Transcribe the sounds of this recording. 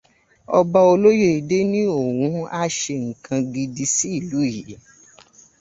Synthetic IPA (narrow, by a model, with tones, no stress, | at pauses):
ɔ˧ba˧o˧lo˦je˦i˨de˦nĩ˦o˦˨wũ˧˦a˧ʃe˧ŋ̩˨kʰã˧ɡi˧di˧si˦i˦˨lu˨˦˨ji˨˦